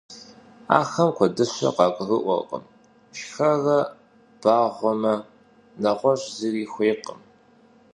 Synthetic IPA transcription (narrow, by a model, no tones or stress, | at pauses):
a̰ːxɐmkʷʰɔdɨɕɐ̰qɑːkʷʼrɨʔʷɔ̰qʼə̰m | ʃxɐrɐ | b̥aːʁʷɔmɐ | nɐʁʷɔɕziriːxʷeːqəm